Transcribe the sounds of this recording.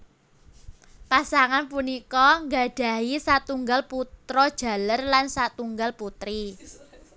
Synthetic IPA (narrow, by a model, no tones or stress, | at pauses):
pasaŋanpunikɔŋɡaɖ̥a̤ɦisat̪uŋɡalput̪ɾɔd̥ʒ̥a̤lərlansat̪uŋɡalput̪ɾi